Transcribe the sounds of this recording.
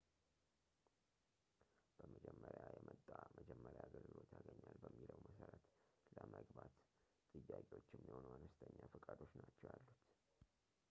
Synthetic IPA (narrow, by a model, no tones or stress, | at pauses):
b̥əməd͡ʒɛmːəɾjajɛmʔət̪ʼːaməd͡ʒɛmːəɾjaɡəlɡɨlo̞t̪jaɡəɲːalbəmːiləwməsəɾət̪ləməɡbat̪ | t̪ʼːɨjːakʼewo̞t͡ʃːɪmːiho̞nəanəst̪ʰəɲːafɨkʼad̪o̞t͡ʃːnat͡ʃːɛwalːut̪